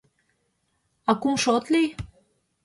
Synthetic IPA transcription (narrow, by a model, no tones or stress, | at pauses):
ɑkumʃot̪lij